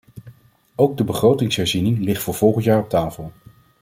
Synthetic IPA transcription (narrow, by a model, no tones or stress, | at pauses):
owɡ̚dəbəχrowtɪŋsɦɛɹzinɪŋlɪχtfʊːɹv̥ɔlˠχəntjaːɹɔp̚taːfəlˠ